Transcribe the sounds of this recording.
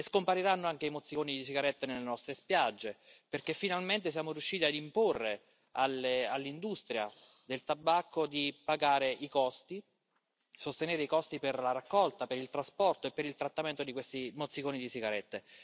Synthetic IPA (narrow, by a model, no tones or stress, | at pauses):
eskompaɾiɾanːoaŋk̟eimot̪sːikoːnid̪isiɡaɾɛt̪ːenelːenɔst̪ɾespjad͡ʒːeperkefːinalment̪esjaːmoɾjuʃːiːt̪iad̪imporːe | alːealːind̪ust̪ɾja̰ | d̪elt̪abːakːod̪ipaɡaːɾeʔikɔst̪i | sost̪eneːɾeikɔst̪iperlaɾakːɔlt̪apeɾilt̪ɾaspɔrt̪oepːeɾilt̪ɾat̪ːament̪od̪ikwest̪imot̪sːikoːnid̪isiɡaɾɛt̪ːe